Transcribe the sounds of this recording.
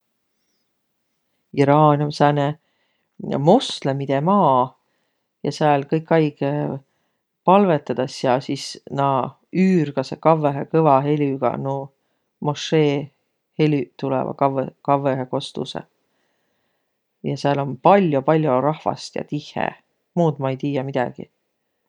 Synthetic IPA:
iɾɑːnʲomsæne | mo̞st̪le̞mid̪̥e̞mɑː | jɑseæːlkɤjkːˑɑjɡ̥e | pɑlve̞t̪ːˑɑd̪̥ɑsɑsisnɑ | yːrɡ̥ɑsekɑveɦekɤvɑɦe̞lʲyɡ̥ɑ̰nu | moʂeː | he̞lʲyt̪ulɛ̰vɑ̰kɑvekɑveheko̞st̪ṵsḛ | jɑseɑlo̞npɑlʲjopɑlʲjoɾɑhvɑ̰st̪jɑ̰t̪ihḛ | muːd̪mɑejt̪iːjɑmid̪̥ɑ̰ɡ̥ḭ

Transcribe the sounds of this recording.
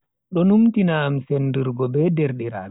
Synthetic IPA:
ɗɔnumtinaːmsendiɾɡɔbɛdɛɾɗiɾa̰ːɗ

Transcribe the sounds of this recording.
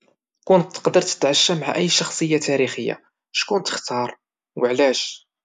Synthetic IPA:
kʊnt̪ːə̥qd̪əɾˤt̪ə̥t̪ʕaʃːæmʕa̰ʔəjːʃɑxsˤəjːat̪æɾixəjːa̰ | ʃkunt̪ə̥xt̪ɑɾˤ | wəʕlæʃ

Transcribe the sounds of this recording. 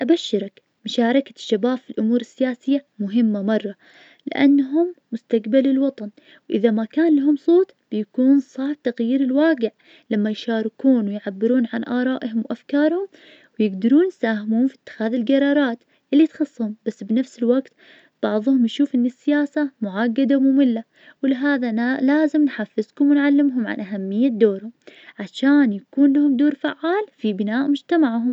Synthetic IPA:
ʔabaʃːɪɾak | mʊʃaːɾˤɑkḁʃːabaːfilʔʊmuːɾɪsːɪjaːsɪjːamʊɦɪmːamɑrˤːɑ | lɪ̰ʔa̰nːɦʊmːʊst̪aɡbalɪlwɑt̪ˤɑn | wʔɪðamakaːnlaɦʊmsˤoːt̪ˤb̥ɪjakuːnsˤɑːħb̚t̪aɣjiːɾɪlwaːɡɪʕ | lamːajʃaːɾˤɪkuːnwɪjʕabːɪɾuːnʕanʔɑːɾˤɑːʔɦʊmwʔafkɑːɾˤhʊm | wjɪɡd̪ɑɾuːnjsaːhɪmuːhʊmfi̥t̪ːɪ̥xaːðɪlɡɑɾˤɑːɾˤɑːt̪ | ʔɪlːit̪xɑsˤːhʊmb̥asːbnafsɪlwaɡt̪ | b̥ɑʕðˤhʊmjʃuːfʔɪnːɪsːɪjaːsamʊʕaɡːad̪amʊmɪlːa | wɪlɪɦaːðalaːzɪmnħafːɪzkʊmwɪnʕalːɪmɦʊmʕa̰nʔaɦamːɪjːad̪oːɾhʊmʕaʃaːnjakuːnlahʊmd̪oːɾfaʕːaːlfibɪnaːʔmʊd͡ʒt̪amaʕɦʊm

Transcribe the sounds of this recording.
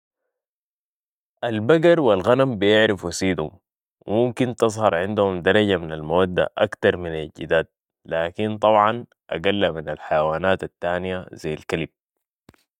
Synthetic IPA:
ʔalbaɡɑɾˤwilɣanambijɪʕɾɪfwasiːd̪hṵm | wḭmumkint̪ɨzˤhɑɾˤʕɪnd̪uhumd̪ɑɾˤɑɟaminalmawad̪ːa̰ʔakt̪ɑɾˤminalɟḭd̪aːt̪̚ | laːkint̪ˤɑbʕɑn | ʔa̰ɡalːaminalħajawaːnaːt̪at̪ːaːnijaz̥ajːalkalib̚

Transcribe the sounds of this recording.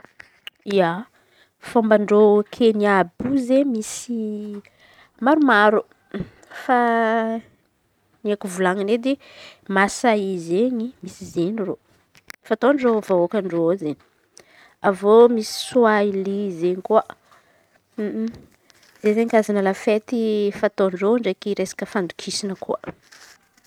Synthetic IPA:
ia | fombaɳɖ͡ʐokʰeniabuzemisi | maɾumaɾu | fa | nakuvulaŋaned̪e | masaizeɲimisizeniro | fat̪onrovaokanrozeɲi̥ | avomisi̥suailizeɲikuə | zezeɲkazanəlafet̪ifat̪oɳroɳɖ͡ʐekiɾesḁkəfand̪ukʰisinəkuə

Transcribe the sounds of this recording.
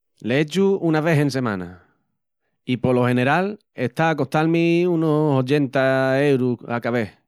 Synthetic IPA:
leet͡ʃuunaβ̞e̞ɦẽ̞ns̬e̞mã̰na̰ | ipolohe̞ne̞ɾal | eht̪aːko̞ht̪almiunosot͡ʃe̞nt̪aewɾuakaβ̞e̞h

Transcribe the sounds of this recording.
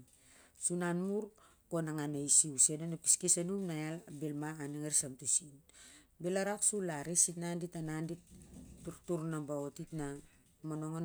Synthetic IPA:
sunanmuɾko̞naŋanejsiusenonapi̥skisanumnajalbelmaːniŋaɾsamtusin | belaɾaksulaɾesitnanditanandittuɾtuɾnabaotitna | mono̞ŋan

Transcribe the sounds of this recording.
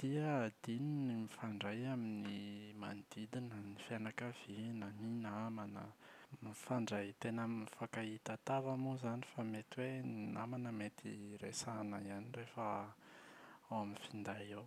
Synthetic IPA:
d̪̥iəd̪̥ininimifaɳɖ͡ʐajaminima̰nd̪̥id̪inənifjanakəv̥inəninamanə̰mifaɳɖ͡ʐajt̪enəmifakait̪at̪avamuzanifamet̪iwennamanəmet̪iɾesana̰ianirefə | awaminfind̪aew

